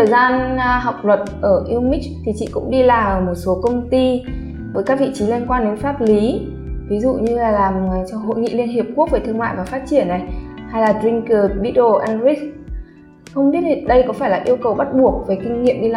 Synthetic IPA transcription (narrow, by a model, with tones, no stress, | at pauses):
əː˨˩jzaː˧nɦa˨˩wk͡p̚lwə˨˩t̚ʔəː˧˩ʔi˧wmi˦˥k̚t̪ʰi˨˩t͡ɕḭ˧˨kʊ̰˧˥ŋ͡mɗi˧laː˨˩ʔəː˧˩mo˨˩t̚so˨˦kə˧wŋ͡mt̪i˧ | vəː˨˦jkaː˦˥k̚vḭ˧˨t͡ɕi˨˦li˧ənkwaː˧nɗe˨˦nfaː˦˥t̚li˨˦ | vi˨˦zṵ˧˨ɲɨ˧laː˨˩laː˨˩m˨˩t͡ɕɔ˧ɦo̰˧˨jŋḭ˧˨li˧ənɦi˨˩əp̚ku˦˥ək̚ve˨˩t̪ɨ˧əŋma̰ː˧˨jvaː˨˩faː˦˥t̚t͡ɕi˧˩ənːa˨˩jha˧jlaː˨˩tzi˧ŋkəː˨˩ɗi˨˦˥ɗo˧˩ʔɛ˧nɾi˦˥k̚ | xə˧wŋ͡mɓi˦˥ətʰi˨˩ɗə˧jkɔ˨˦faː˧˩jlaː˨˩ʔi˧əwkə˨˩wɓa˦˥t̚ɓu˨˩ək̚ve˨˩kï˧ŋ̟ŋḭ˧˨əmɗi˧lː